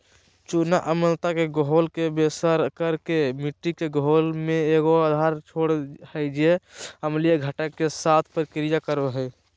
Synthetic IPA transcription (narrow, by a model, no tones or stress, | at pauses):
t͡ʃunaʔəməlt̪akeɡoɦolkebesəɾkəɾkemiʈːikeɡɦolmẽeːɡoad̪ʱaɾt͡ʃʰoːɽəɪd͡ʒeəmlijeɡʱəʈəkːesaːt̪ʰpəɾkɾijakəɾoɦɛ